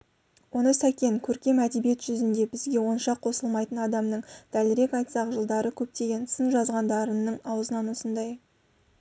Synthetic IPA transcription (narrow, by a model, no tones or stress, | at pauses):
wo̞nəsækʲe̞ŋkʲʰɵɾkʲe̞mæd̪e̞bije̞t̪ʒ̥ʏzɪnd̪e̞bɪzɡʲe̞wo̞nʃɑqʰːo̞səlˠmɑjt̪ənɑd̪ɑmnəɴd̪̥ælɪɾe̞kɑjt̪sɑqʒəlˠd̪ɑɾəkʲʰɵp̚t̪e̞ɡʲe̞nsɪnʒɑzʁɑnd̪ɑɾənːəɴɑwəzənɑnwosənd̪ɑj